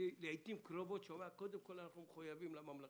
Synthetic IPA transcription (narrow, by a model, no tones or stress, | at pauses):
leajt̪imkɾovot̪ʃomako̞d̪emko̞lanaχnumeχujavimlamamla